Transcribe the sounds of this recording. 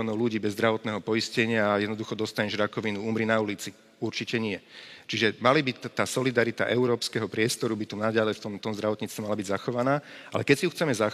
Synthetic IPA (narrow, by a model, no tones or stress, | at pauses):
ɔːnɔʊluɟiːbɛzd̪ɾaʋɔt̪nɛːɦɔpɔiscɛɲɪaːjɛd̪nɔd̪uxɔd̪ɔst̪aɲɛʒɾakɔʋinuumɾinaulit͡si | uɾt͡ʃicɛɲɪɛt͡ʃiʒɛmalibit̪ːaːsɔlid̪aɾit̪a̰ʔɛʊɾɔːpskɛɦɔpɾɪɛst̪ɔɾubit̪unaɟalɛjft̪ɔmt̪ɔmzd̪ɾaʋɔt̪ɲiːt͡st̪ʋɛmalabiɟzaxɔʋanaːʔa̰lɛkɛcsijuxt͡sɛmɛza